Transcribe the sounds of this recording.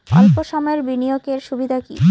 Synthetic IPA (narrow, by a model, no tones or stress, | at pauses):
ɔlpoʃɔmɔeɾbinijokeɾʃubid̪ʱakḭ